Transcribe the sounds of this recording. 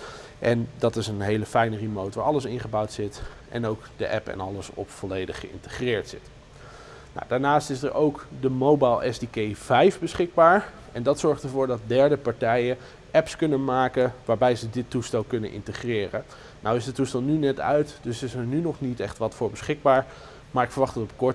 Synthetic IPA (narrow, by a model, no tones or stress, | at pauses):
ʔɛndɑtɪsənɦejləfɛjnərimowtʋaːɹɑləsɪnχəbɑwtsɪtʔɛ̰nowkdəʔɛpɛ̰nɑləsɔ̰pfɔlejdəχːəɪ̰ntə̥χrɪːɹtsɪt | na̰wdaːɹnaːstɪsəɹʔowkdəmowbajlˠʔɛsdikejvɛjvbəsχɪɡ̚baːɹ | ɛndɑtsɔɹχtəɹvʊːɹdɑt̚dɛɹdəpɑɹtɛjə | ʔɛpskɵnənmaːkəʋaːɹbɛjzədɪtːustɛlˠkɵnənʔɪ̰ntəχrɪːrə | nawɪsdətːustɛlˠnynɛtœ̰ɥtd̥ɵsɪsəɹnynɔχnitɛχtʋɑtfʊːɹbəsχɪɡ̚baːɹ | maːɹɪkfəɹʋɑχdɑtɔpkɔɹ